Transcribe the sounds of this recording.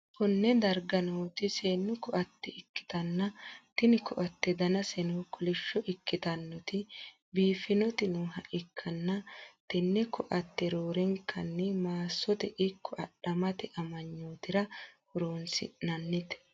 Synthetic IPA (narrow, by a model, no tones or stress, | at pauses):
kɔnːɛd̪ɐɾɡɐnoːt̪ɪseːnːʊkɔʔɐt̪ːɛɪkːɪ̥t̪ɐnːɐt̪ɪnɪkɔʔɐt̪ːɛd̪ɐnɐsɛnoːkʊlɛʃːɔʔɪkːɪt̪ɐnːɔt̪ɪ | biːfɪnɔt̪ɪnʊɦɐʔɪkʰːɐnːɐt̪ɪnːɛkɔʔɐt̪ːɛɾoːɾɛŋkʰːɐnːɛmaːsːɔt̪ɛʔɪkʰːɔʔɐɗɐmɐt̪ɪʔɐmɐɲːoːt̪ɪɾɐhɔɾoːnsɪ̰nɐnːɪt̪ɛ̥